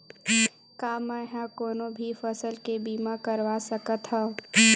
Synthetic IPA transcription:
kaːmɛ̃ɦãkoːnõbʱifɐsəlkebiːmakəɾʋasəkət̪ɦãː

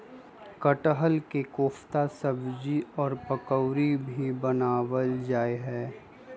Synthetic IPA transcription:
kəʈəɦəlkekoːfʰt̪asəbd͡ʒiɔːɾpəkəwɾibʱibənaːwəld͡ʒaːeɦɛː

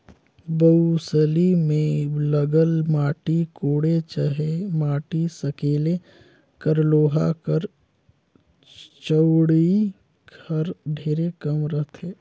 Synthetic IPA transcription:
bəusəlimẽləɡəlmaːʈikoːɽet͡ʃəɦemaːʈisəkeːle | kəɾloːɦakəɾ | t͡ʃəwɽii | ɡəɾɖʱeːɾekəmɾət̪ʰɦeː

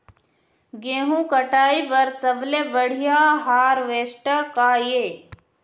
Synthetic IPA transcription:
ɡeːɦũkəʈaːibɐɾsəblebəɽ̤ijaːɦaːɾʋeːsʈəɾkaːjeː

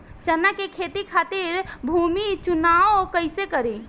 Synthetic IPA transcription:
t͡ʃənakekʰet̪ikʰat̪iɾbʱumit͡ʃunaokəɪsekəɾi

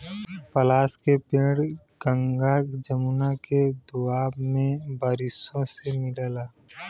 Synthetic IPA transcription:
pəlaːskepẽːɽ | ɡ̥ə̃ŋɡad͡ʒəmunaked̪ʊaːbmẽbaːɾɪsõsemɪɽəlaː

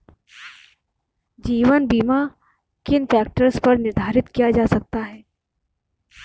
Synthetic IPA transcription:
d͡ʒiːʋənbiːma | kɪnpɛːk̚ʈəɾspɐɾnɪɾd̪ʱaːɾɪt̪kijad͡ʒaːsɐk̚t̪aɦɛː

